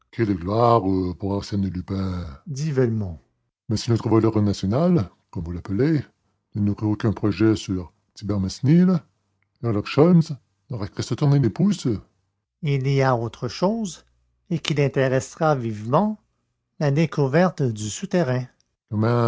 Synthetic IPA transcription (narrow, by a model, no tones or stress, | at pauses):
kʲɛləɡlwaʁəpuʁɑ̃ʁsjɛnəlypɛ̃d̪ivɛlmɔ̃ | mɛsinɔot̪ʁəvalœʁnasjɔnal | kɔmvulapəle | nənɔʁiokɛ̃pʁɔʒɛsyʁ | t̪ibɛʁmɛsnil | ɛʁlɔʁʃɔlnz | nɔʁakʁɛst̪ət̪uʁnelepus | ilijaot̪ʁəʃoːz | ekʲilɛ̃t̪eʁɛsʁavivmɑ̃ | lad̪ekʰuvɛʁt̪d̪ysut̪eʁɛ̃ | kɔmɛ̃